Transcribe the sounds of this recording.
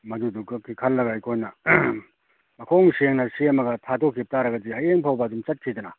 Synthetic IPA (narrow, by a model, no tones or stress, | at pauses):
mɐduduɡɐkʰːikʰɐlːɐɡaijkʰojnɐ | mɐkʰoŋseŋnɐsemɐɡɐtʰatʰokʰːip̚taɾɐɡɐd͡ʒiɦɐjeŋpʰawbɐdumt͡ʃɐt̚kʰidɐnɐ